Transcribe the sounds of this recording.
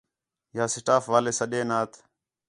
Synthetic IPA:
jaːsɪʈaːfʋaːleːsəɗẽːnaːt̪ʰ

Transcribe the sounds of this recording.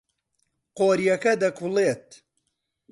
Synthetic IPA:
qoːɾjɐkɐd̪ɐkʰuleːt̪̚

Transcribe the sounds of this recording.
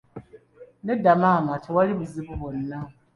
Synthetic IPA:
nedamamatʰiwaliβuziβuβonːa

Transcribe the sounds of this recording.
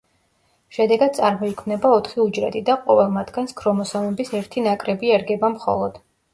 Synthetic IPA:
ʃɛd̪ɛɡad̪̥̚t̪sʼaɾmɔikʰmnɛbaɔt̪ʰχiud͡ʒɾɛ̰t̪ʼid̪aqʼɔvɛlˠmad̪ɡanskʰɾɔmɔsɔnɛbisɛɾt̪ʰinakʼɾɛbiɛɾɡɛbamχɔ̰lˠɔd̪̥

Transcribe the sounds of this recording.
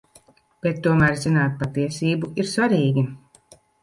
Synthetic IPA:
b̥et̪ːuɔmæːɾzinaːt̪̚pat̪iɛsiːbuiɾsvaɾiːɡʲi

